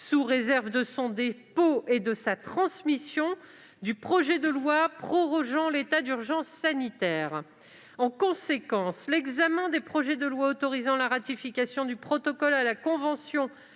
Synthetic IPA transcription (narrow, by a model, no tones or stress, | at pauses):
suʁezɛʁvd̪əsɔ̃d̪epoed̪əsat̪χɑ̃smisjɔ̃ | d̪ypχɔʒɛd̪əlwapχɔʁɔʒɑ̃let̪ad̪yʁʒɑ̃sːanit̪ɛːʁ | ɑ̃kɔ̃sekɑ̃slɛɡzamɛ̃d̪epχɔʒɛd̪əlwaot̪ɔʁizɑ̃laʁat̪ifikʲasjɔ̃d̪ypχɔt̪ɔkɔlalakɔ̃vɑ̃sjɔ̃